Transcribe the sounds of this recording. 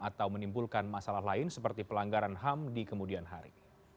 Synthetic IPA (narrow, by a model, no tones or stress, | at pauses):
at̪awmənimbulkanmasalahlaɪnsəpərt̪ipəlaŋɡaɾanɦamdikəmudianɦaɾḭ